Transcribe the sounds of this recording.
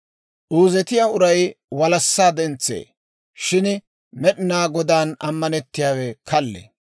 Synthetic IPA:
ʔuːzɛt̪ɪjaʊɾɐjwɐlɐsːaːd̪ɛnt͡sːḛː | ʃɪn | mɛɗɪnaːɡɔd̪aːnɐ̰mːɐnɛt̪ːɪjaːwɛkʰɐlːḛ

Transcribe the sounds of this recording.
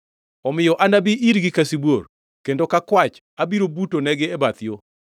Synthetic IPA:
ɔmɪjɔʔanabiʔiɾɡɪkasibwor | kendokakwat͡ʃ | abiɾobutonɛɡɪɛbat̪ɪjo

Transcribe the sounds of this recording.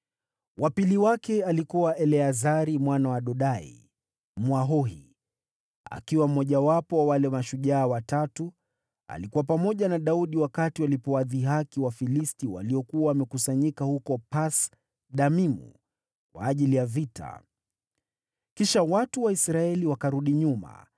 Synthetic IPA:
wapiliwakɛalikuwaʔɛlɛazaɾimwanawaɗɔɗaḭ | mwaɦɔhḭ | a̰kiwam̩mɔʄawapɔwawalɛmaʃuʄaːwatatu | a̰likuwapamɔʄanaɗauɗiwakatiwalipɔwaðiɦakiwafilistiwa̰liɔkuwawːmɛkusaɲikahukɔpas | ɗamimṵ | kwa̰ːʄilijavita̰ | kiʃawatuwaisɾaɛliwakaɾuɗiɲuma̰

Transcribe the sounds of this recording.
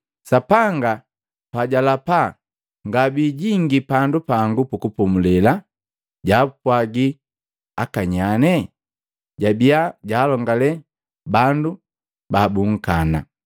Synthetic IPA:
sapaŋɡa | paɟalapa | ŋɡabiɟiŋɡipandupaŋɡupukupɔmulɛla | ɟaːpwaɡi | akaɲanɛ | ɟabiaɟaːlɔŋɡalɛ | bandu | babuŋ̩kana

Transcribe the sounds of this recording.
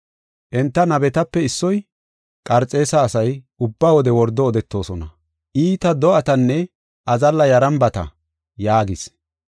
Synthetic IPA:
ʔɛnt̪ːɐnɐbɛt̪ɐpːɛɪsːɔj | kʼɐɾt͡sʼːe̞ːsɐːsɐj | ʊbːaːwɔd̪ɛwɔɾd̪ɔːd̪ɛt̪ːo̞ːsɔnɐ | ʔiːt̪ɐd̪ɔʔɐt̪ɐnːɛ | ʔɐzɐlːɐjɐɾɐmbɐt̪ɐ̰ | jaːɡɪs

